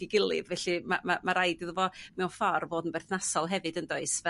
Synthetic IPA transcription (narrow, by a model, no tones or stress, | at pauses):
iɡɪlˠɨ̰ðvɛɬɨmamamaɾajdɪðvɔmɛwfɔrvoːdənberθnasɔlˠɦɛvɨdəndoɨsvɛ